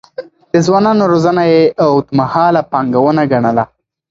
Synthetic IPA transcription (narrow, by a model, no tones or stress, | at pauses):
d̪̥əzwɑnɑnoɾozanajeʔawd̪əmahɑlapɑŋɡawənaɡaɳəla